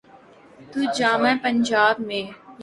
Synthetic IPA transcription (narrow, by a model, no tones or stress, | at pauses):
t̪uːd͡ʒaːmẽpə̃ɲd͡ʒaːbmẽj